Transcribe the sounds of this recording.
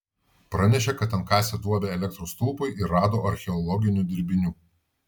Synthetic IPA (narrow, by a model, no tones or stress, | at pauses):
pɾɑnʲɛʃ̬ʲekɐt̪ɐnkɑːsʲɛd̪uɔbʲeɛlʲɛk̚t̪ɾoːst̪uːpɐɪʔɪɾɾɑːd̪oːʔɐɾʲxʲɛɔlˠɔɡʲɪnʲuˑd̪ʲɪɾʲbʲɪnʲuː